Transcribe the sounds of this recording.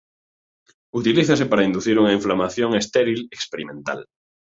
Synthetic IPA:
ut̪iliθasepaɾaind̪uθiɾuŋaiɱflamaθjoŋest̪eɾilekspeɾimẽnt̪a̰l

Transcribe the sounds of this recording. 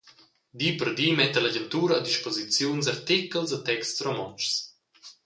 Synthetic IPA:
d̪ipəɾd̪iːmɛt̪əlaɟənt̪uːɾaːd̪iʃpozit͡sjunsaɾt̪ikəlzat̪ɛkstsromɔnt͡ʃs

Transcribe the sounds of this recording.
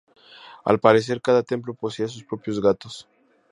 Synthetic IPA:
a̰lpaɾes̬eɾkaðat̪e̞mplo̞poseas̬uspɾo̞pjozɣat̪os

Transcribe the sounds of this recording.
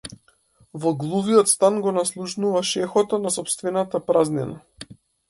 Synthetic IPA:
vɔɡlˠuviɔt̪st̪anɡɔnaslˠuʃnuvaʃɛxɔt̪ɔnasɔpst̪vɛnat̪apɾaznina

